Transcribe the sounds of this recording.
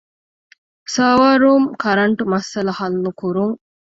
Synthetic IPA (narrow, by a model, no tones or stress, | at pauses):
saːʋaːɾuːmkɐɾɐɳʈumɐsɐlɐhɐlnukuɾuŋ